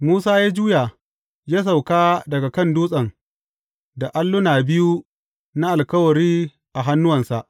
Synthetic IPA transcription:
muː˦saː˦jaː˦d͡ʒuː˦ja˨ | jaː˦s̬a˨wkaː˦dɐ˨ɡa˨kɐ˦˨nduː˦sʼɐ˨ŋ | da˨ʔa˦lːʊ˦naː˨bɪ˦ju˦ | na˦ʔa˨lkɐ˦wɐ˨ɾiː˦ | ʔa˨ɦa˦nːʊ˦wɐ˨nsa˨ʔ

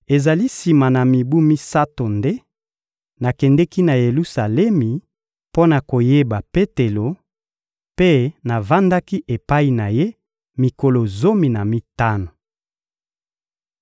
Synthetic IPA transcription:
e˨za˨li˦si˨ma˨na˨mi˨bu˦mi˦sa˦to˨nde˦ | na˨kɛ˨ndɛ˦ki˦na˨je˨lu˦sa˨lɛ˦mi˨ | po˦na˨ko˨je˦ba˨pe˦te˨lo˨ | pe˦na˨va˦nda˦ki˦ʔe˨pa˦i˨na˨je˦ | mi˨ko˨lo˨zo˦mi˨na˨mi˦ta˦no˨

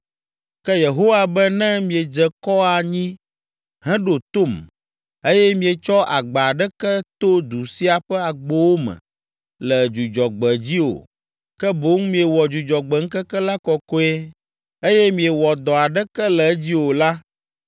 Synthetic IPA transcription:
kɛ˦je˨ɦo˦wa˨bɛ˦nɛ̃˦mĩ˨e˨d͡ʒɛ˨kɔ˦a˨ɲĩ˦ | ɦɛ̃˦ɖo˨t̪o˦˨m | e˦jɛ˦mĩ˨e˨t͡ʃɔ˦ʔa˨ɡ͡ba˨ɖɛ˦kɛ˦t̪o˦d̪u˨si˦a˨ɸɛ˦a˨ɡ͡bɔ˦wo˦mɛ̰̃˨ | lɛ˨d͡ʒu˨d͡ʒɔ˨ɡ͡bɛ˨d͡ʑi˦wo̰˨ | kɛ˦bo˨˦ŋmĩ˦e˨wɔ˨d͡ʒu˨d͡ʒɔ˨ɡ͡bɛ˨ŋ̩˦kɛ˦kɛ˦la˦kɔ˨kɔ˦ɛ˦ | e˦jɛ˦mĩ˨ɛ˨wɔ˨d̪ɔ˨a˨ɖɛ˦kɛ˦lɛ˨˦d͡ʑi˦wo˨la˦

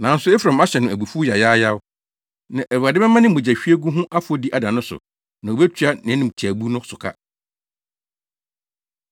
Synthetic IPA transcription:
nã˨˦n̩˦sʊ˦ɛ˦fɾã˨ma˦ɕɛ˨nʊ̃˨æ˨bu˨fu˦ja˨jaː˦ja˦w | nã˨ʔæ˨a˨dɪ˦bɛ˦mã˦nɪ̃˦m˦ʊ̃˨d͡ʑa˨ɕᶣi˦e˦ɡu˦ɦʊ̃˦ʔa˦fʊ˨˦o˦di˦ʔa˨dã˨nʊ̃˦sʊ̰˨ | nã˨o˨bɛ˦t͡ɕʰi˨˦a˦nɪ̃˨˦nɪ̃˨m˨t͡ɕʰæ˨bu˦nʊ̃˦sʊ˨kʰa̰˦

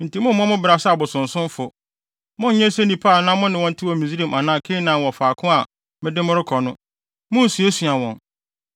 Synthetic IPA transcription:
n̩˨ti˨˦mʊ̃˦mː˦ɔ̃˦mʊ̃˦bɾa˨sa˨bʊ˨sʊ̃˨n̩˨sʊ̃˦m˦fʊ˨ | mʊ̃˦n˨ɲɛ̃˦se˦nĩ˨pʰaː˦˨nã˦mʊ̃˦nɪ̃˨wɔ̃˦n̩˦tʰɪ˦wɔ˨mĩ˨zi˦ɾi˦˨mʔa˨nãː˨˦kʰɪ˦nã˨wɔ˨faː˨kʰʊ̃˦a˨ | mɪ̃˦dɪ˦mʊ̃˦ɾɪ˦kʰɔ˨nʊ̃˦ | mʊ̃˦˨su˨e˦sɥa˨wɔ̃˨n

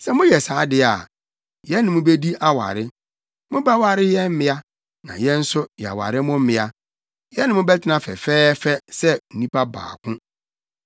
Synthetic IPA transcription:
sɛ˦mʊ̃˦jɛ˨saː˨˦dɪ˦a˨ | jɛ˦nɪ̃˨mʊ̃˦be˦di˦ʔa˦wa̰˨ɾɪ˦ | mʊ̃˦ba˦wa˨ɾɪ˦jɛ˦m̩˦mɪ̃˦a˦ | nã̰˨jɛ̃˦n̩˦sʊ˦jɛ˨a̰˨wa̰˨ɾɪ˦mʊ̃˦m̩˦mɪ̃˦a˦ | jɛ˦nɪ̃˨mʊ̃˦bɛ˦tʰɪ˦nã˦˨fɛ̰˨fɛː˦fɛ˦sɛ˦n̩˨nĩ˦pʰa˦ba̰ː˨kʰʊ̃˦

